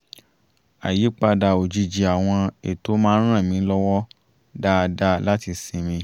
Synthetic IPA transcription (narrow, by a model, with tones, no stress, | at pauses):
a̰˨ji˨˦k͡pa˧da˧˨o˨d͡ʒi˧d͡ʒi˧a˨w̃ɔ̃˧e˨to˨˦mãː˦ɾ̃ã˦˨mĩ˨˦lɔ˦wɔ˦ | da˦˧da˦la˦ti˧sĩ˧mĩ˧